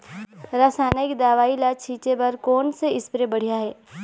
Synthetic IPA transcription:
ɾaːsaːnaɪkd̪aːʋaːilat͡ʃʰiːt͡ʃebɐɾkoːnseɪspɾebɐɽ̤ijaɦɛː

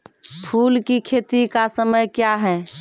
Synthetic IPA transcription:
pʰuːlkikʰeːt̪ikasəməjkjaɦɛː

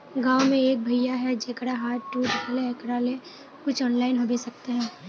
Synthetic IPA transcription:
ɡãːwmẽeːk̚bʱɐjaɦɛd͡ʒekɽaɦaːʈːud̪kʰːleekɾaːle | kʊt͡ʃʰɔːnlaːɪnɦobesɐk̚t̪eɦɛ̃ː

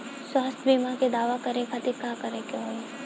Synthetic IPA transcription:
swaːst̪ʰbiːmaked̪aːʋakɐɾẽkʰat̪ɪkaːkɐɾekõõ

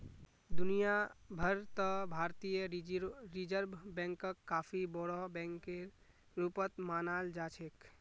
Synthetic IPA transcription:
d̪unijabʱəɾt̪ɔbʱaɾt̪ijəɾid͡ʒəɾbʱbɛ̃ŋkəkːapʰibɔɽɔbɛ̃ŋkːe | ɾupət̪manald͡ʒat͡ʃʰek

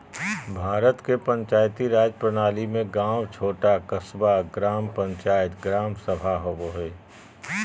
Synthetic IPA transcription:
bʱaːɾət̪kepə̃ɲt͡ʃaːjt̪iɾaːd͡ʒəpɾənaːlimẽɡãːwt͡ʃʰoːʈakəsbaɡɾaːmpə̃ɲt͡ʃaːjət̪ɡɾaːmsəbʱaɦoboɦeː

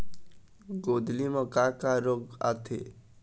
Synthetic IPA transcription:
ɡod̪limɔkakaɾoɡa̰t̪ʰḛ

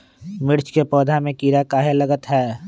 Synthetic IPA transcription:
mɪɾt͡ʃkepɔːd̪ʱamẽkiːɾakaːɦelɐɡət̪ɦɛː

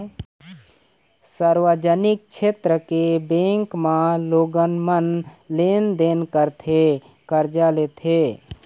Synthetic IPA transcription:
səɾwəd͡ʒənɪk̚t͡ʃʰeːt̪ɾəkebẽːŋkmãloːɡənmənleːnd̪eːnkəɾt̪ʰe | kəɾd͡ʒaleːt̪ʰeː

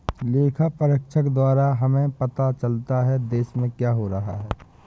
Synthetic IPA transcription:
leːkʰapəɾəkʃʰəkd̪waːɾaɦɐmẽpɐt̪at͡ʃəlt̪aɦɛd̪eːʃmẽkjaːɦoɾɐɦa̰ɦɛː

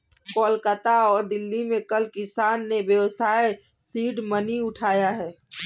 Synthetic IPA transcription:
kɔːlkət̪aɔːɾd̪ɪlːimẽkəlkɪsaːnːeʋjəwəsaːe | siːɖməniʊʈʰaːjaɦɛː

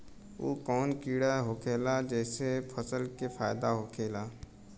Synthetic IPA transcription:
o̰ːkɔːnkiːɽaɦoːkʰeːlad͡ʒɛːsepʰəsəlkepʰaːjd̪aɦokʰeːlaː

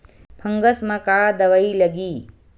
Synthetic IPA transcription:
pʰɐŋɡɐsmɐkaːd̪ɐʋɐjlɐɡi

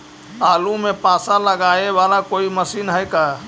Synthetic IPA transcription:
alumepãsãləɡaeʋalakoiməsiːnɦəjka

